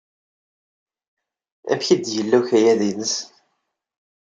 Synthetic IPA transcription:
æ̰fçid̪jəlːæçæjæðinəs

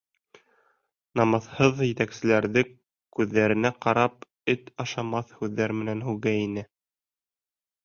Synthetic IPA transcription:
nɑmɑðhɤðjɘ̆t̪æksɘ̆læɾðɘ | kʉðːæɾɘ̆næqɑɾɑp | ɘt̪ɑʃɑmɑθhʉðːæɾmɘ̆nænɦʉɣæinɘ

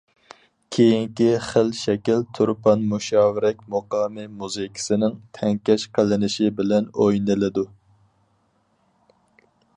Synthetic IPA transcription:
kʲʰejiŋkʲiχəlʃɛkʲilt̪ʰuɾpʰɑnmuʃɑːwɪɾɛkʲmoqɑːmɨmuzɨkʲʰi̥sɪnɪŋt̪ʰɛŋkʲɛʃqəlɪnɪʃɪbɪlɛnojnɨlɪd̪u

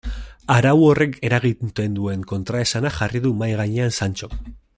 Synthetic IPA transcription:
aɾawo̞re̞ke̞ɾaɣ̞it̪e̞nd̪ue̞ŋko̞nt̪ɾae̞sanaxariðumajɣaɲeansant͡ʃo̞

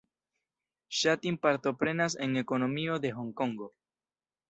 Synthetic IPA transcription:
ʃat̪impaɾt̪o̞pɾe̞nase̞ŋe̞ko̞no̞mio̞de̞ɦoŋkoŋɡo

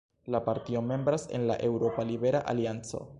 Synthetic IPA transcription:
lapaɾtio̞me̞mbɾase̞̰nla̰ʔe̞wɾo̞palibe̞ɾaʔa̰liant͡so̞̰

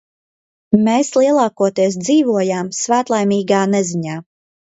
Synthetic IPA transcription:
meːslˠiɛlˠaːkuɔt̪iɛs̬d̪ziːvuɔjaːmsvæːt̪lˠajmiːɡaːnɛziɲaː

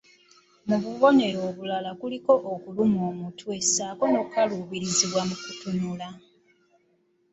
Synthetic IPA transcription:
muβuβo̞ne̞ɾo̞ːβulalakuliko̞ʔokulumoːmutʰwe̞saːko̞no̞kaluβiɾiziβwamukutunula

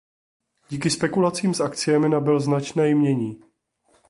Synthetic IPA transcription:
ɟiːkɪspɛkulat͡siːmsakt͡sɪjɛmɪnabɪlznat͡ʃnɛːjmɲɛɲiː

